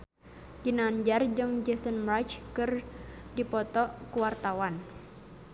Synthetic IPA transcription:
ɡ̥inand͡ʒard͡ʒɨŋd͡ʒɛsənmɾat͡ʃkɨrdipɔt̪ɔkuwart̪awan

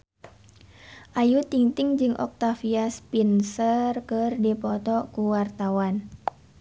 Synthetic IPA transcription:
ʔajut̪iŋt̪ɪŋd͡ʒɨŋʔɔ̰k̚t̪afiaspinsərkɨrdipɔt̪ɔkuwart̪awan

